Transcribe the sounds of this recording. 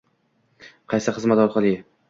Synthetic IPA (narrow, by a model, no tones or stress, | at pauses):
qʰɑjsɪχɨzmat̪ɒɾqʰɑlˠɪ